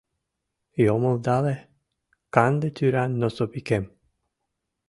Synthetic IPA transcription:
jomovd̪alɛ | kand̪et̪ʰyɾanːosopikɛm

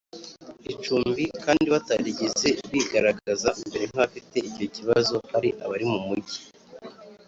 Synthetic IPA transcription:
it͡ʃuːmbikaːndiβataɟiɟize̞βiɡaɾaɡazaimbe̞ɾe̞n̥haβafite̞iɟo̞ciβazo̞haɾiʔaβaɾimumuɟi̥

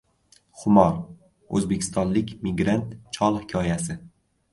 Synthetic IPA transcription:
χʊmɒɾ | ɵ̰zbe̞kʲʰɪ̥st̪ɒnlɪkʲmɪɡɾant̪t͡ʃʰɒlˠhɪkʲʰɒjasɪ

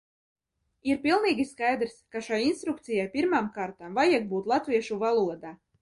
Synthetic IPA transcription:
iɾpʲilˠniːɡʲiskajd̪ɾskaʃajinst̪ɾuk̚t̪sijajpʲiɾmaːmkaːɾt̪amvajiɡ̚buːt̪lˠat̪viɛʃuvalˠuɔd̪aː

